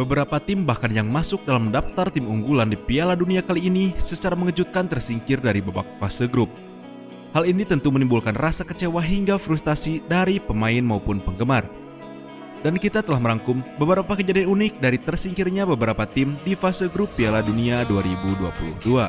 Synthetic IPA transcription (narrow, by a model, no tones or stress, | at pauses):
bəbəɾapat̪ɪmbahkanjaŋmasʊk̚dalamdaft̪art̪ɪmuŋɡulandipialaduniakaliːnisət͡ʃaɾaməŋəd͡ʒut̪̚kant̪ərsiŋkɪrdaɾibaba̰k̚fasəɡɾʊp̚ | halinit̪ənt̪umənimbulkanrasakət͡ʃewaɦiŋɡafɾust̪asidaɾipəmaɪnmaupʊnpəŋɡəmar | dankit̪at̪əlahməɾaŋkʊmbəbəɾapakəd͡ʒadianunɪk̚daɾit̪ərsiŋkɪrɲabəbəɾapat̪ɪmdifasəɡɾʊpːialaduniaduaɾibudua̰pulṵhdua